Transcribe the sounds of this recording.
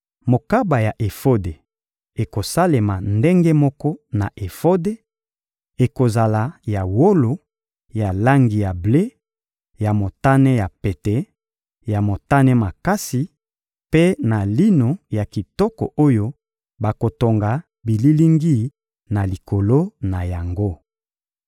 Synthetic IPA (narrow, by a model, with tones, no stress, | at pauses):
mo˨ka˦ba˨ja˨ʔe˨fo˦de˨ | e˨ko˨sa˦le˨ma˨nde˦ŋɡe˦mɔ˦kɔ˦na̰˨ʔe˨fo˦de˦ | e˨ko˨za˨la˨ja˨wo˦lo˨ | ja˨la˦ŋɡi˨ja˨ble˦ | ja˨mo˨ta˦nɛ˦ja˨pe˨tɛ˨˦ | ja˨mo˨ta˦nɛ˦ma˨ka˦si˨ | pe˦na˨li˦no˨ja˨ki˨tɔ˦kɔ̰˨ʔo˦jo˦ | ba˨ko˨to˨ŋɡa˨ | bi˨li˦li˦ŋɡi˦ | na˨li˨ko˨lo˦na˨ja˨ŋɡo˦